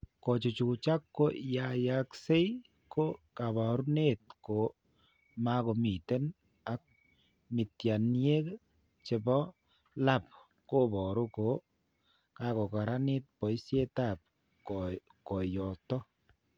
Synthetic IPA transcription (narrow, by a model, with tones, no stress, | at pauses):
kɔ˨t͡ʃo˨t͡ʃu˨t͡ʃa˦kːo˦ja˨ja˨kse˦ | ko˦ka˨ba˨ɾu˦ne˦t̪̚ko˨ | ma˦kɔ˨mi˨te˦n | a˨k̚ | mɪ˨tja˨nje˦k | t͡ʃe˨bɔ˦ | la˦˨p̚ | ko˦bɔ˨ɾu˦ko˨˦ | ka˨˦kɔ˨ka˨ɾa˦nɪ˦t̚pɔ˨i˦sje˦ta˦˨p̚ | kɔ˨jɔ˨tɔ˦